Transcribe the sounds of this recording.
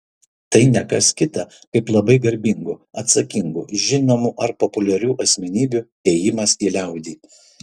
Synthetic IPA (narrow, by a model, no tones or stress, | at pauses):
t̪ɐɪnʲɛkɐskʲɪt̪ɐ | kɐɪplˠɐbɐɪɡɐɾʲbʲɪŋɡʊɐt̪sɐkʲɪŋɡṵʒʲɪnoːmuʔɐɾpɔpʊlʲɛɾʲuːʔɐsʲmʲɛnʲiːbʲu | ɛːjɪmɐsiːlʲɛˑʊd̪ʲiː